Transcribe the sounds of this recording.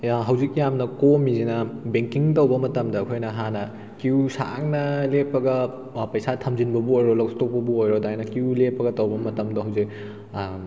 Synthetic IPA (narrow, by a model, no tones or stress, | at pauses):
ɦɐwzik̚jamnɐkomizinɐbeŋkiŋtɐwbɐmɐtɐmdɐːkʰojnɐɦanɐ | kiusa̰ŋnɐlepːɐɡɐ | pɐjsatʰɐmzinbɐbuojɾolɐkstok̚pɐbuojɾodajnɐkuulepːɐɡɐtɐwbɐmɐtɐmdɐɦɐwzik̚